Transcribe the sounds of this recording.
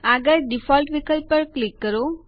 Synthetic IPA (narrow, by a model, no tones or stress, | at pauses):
aɡəɾɖifɔlʈʋikʰəlpəɾklikːəɾo